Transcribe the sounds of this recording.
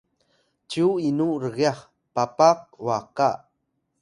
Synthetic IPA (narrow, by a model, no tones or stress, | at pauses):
t͡ʃuinuɾəɣjaχ | papaq̚waka